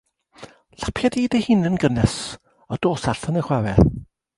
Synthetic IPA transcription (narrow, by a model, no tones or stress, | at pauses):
lḁpʰjadiːdehɨnənɡənɛs | ɔd̥oːsaɬənəχwavɛ